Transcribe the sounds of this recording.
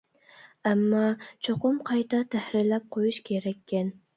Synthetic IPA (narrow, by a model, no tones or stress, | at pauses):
æmːɑt͡ʃʰoqʊmqʰɑjt̪ʰɑt̪ʰæhɾɪɾlæp̚qʰojuʃkʲʰeɾɛkʲʰːen